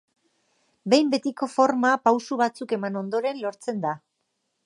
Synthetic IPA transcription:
be̞jmbe̞t̪iko̞fo̞ɾmapawsuβat͡suke̞mano̞nd̪o̞ɾe̞nlo̞ɾt͡se̞nd̪a

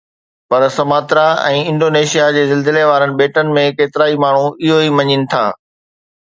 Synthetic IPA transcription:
pɐɾsɐmaːt̪ɾaɛ̰̃ːɪ̃ɳɖoːneːʃijad͡ʑeːzɪlzɪleʋaːɾənɪ̆beːʈənɪ̆mẽkeːt̪ɪɾaːimaːɳ̤uɪɦoimɐɲɪnɪ̆t̪ʰa̰ː

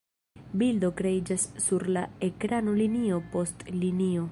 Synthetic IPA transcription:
bildo̞kɾe̞id͡ʒasːuɾlae̞kɾano̞linio̞po̞stlinio̞

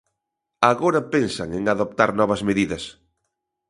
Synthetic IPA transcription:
aɣoɾɐpensa̰ŋeŋaðop̚t̪aɾnɔβɐzmeðiðɐs

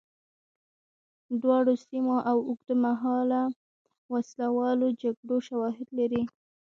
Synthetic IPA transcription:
d̪wɑɽosimoʔawʊɡd̪əmaɦɑla | waslawɑlod͡ʒaɡɽoʃawɑɦɪd̪laɾi

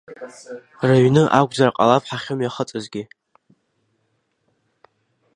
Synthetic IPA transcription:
raɥnɨʔaɡʷʼd͡zaraqʼa̰lapħaχʲomjaχət͡sʼazɡʲɪ

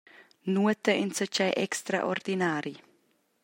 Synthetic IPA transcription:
nuət̪əʔinsət͡ʃajʔɛkst̪ɾa̰ʔord̪inaːɾi

